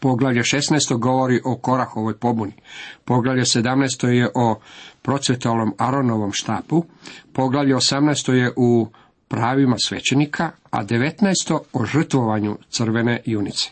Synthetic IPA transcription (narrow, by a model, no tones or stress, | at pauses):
po̞ɡlˠaʋʎeʃe̞snɛjst̪o̞ɡo̞ʋo̞ɾiʔo̞ko̞ɾaxo̞ʋo̞jpo̞bunipo̞ɡlˠaʋʎese̞d̪amnɛjst̪o̞jeʔopɾo̞t̪sʋet̪oalno̞maɾo̞no̞ʋo̞mʃt̪aːpupo̞ɡlaʋʎeosamnɛːst̪o̞je̞ʔu | pɾaːʋimasʋe̞t͡ɕe̞nikʰa | a̰d̪e̞ʋet̪naest̪o̞oʒr̩t̪ʋo̞ʋaɲṵt̪sɨrʋe̞ne̞junit̪se̥